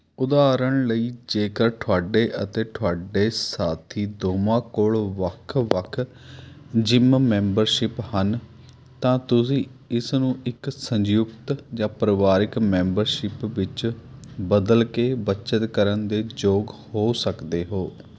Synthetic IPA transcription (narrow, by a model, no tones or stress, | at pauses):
ʊd̪aːɾəɳləiːd͡ʒeːkəɾʈʰoaːɖeːʔət̪eːʈʰʊaːɖeːsaːt̪ʰiːd̪oːmãːkoːɭʋəkʰʋəkʰ | d͡ʒɪmmɛ̃ːmbəɾʃɪphən | t̪ãːt̪ʊsĩːɪsnũːɪksəɲd͡ʒjʊɡt̪d͡ʒãːpɾəʋaːɾɪkmɛ̃ːmbəɾʃɪpʋɪt͡ʃbəd̪əlkeːbət͡ʃət̪kəɾənd̪eːd͡ʒoːɡhoːsəkd̪eːɦoː